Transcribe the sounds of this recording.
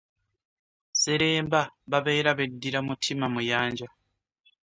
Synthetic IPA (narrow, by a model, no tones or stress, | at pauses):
se̞ɾe̞ːmbaβaβe̞ːɾaβe̞dːiɾamutʰimamujaːɲɟa